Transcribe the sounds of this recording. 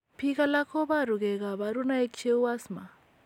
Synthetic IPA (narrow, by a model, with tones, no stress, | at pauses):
pʰika˦la˦kʰo˦βa˦ɾu˨ɣɛ˨ka˨βa˨ɾu˦na˦e˦kt͡ʃe˦u˦a˦sma˨